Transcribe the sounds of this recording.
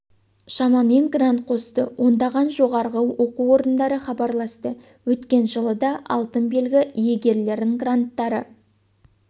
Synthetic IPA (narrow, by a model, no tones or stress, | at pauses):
ʃɑmɑme̞ŋɡrant̪̚qʰo̞st̪əwo̞nd̪ɑʁɑnʒo̞ʁɑɾʁəwo̞quwo̞ɾənd̪ɑɾəχɑbɑɾlˠɑst̪ə | wɵt̪kʲe̞nʒəlˠəd̪ɑʔɑ̰lˠt̪ənbe̞lɡʲɪije̞ɡʲe̞ɾle̞ɾd̪ɪŋɡrant̪ːɑɾə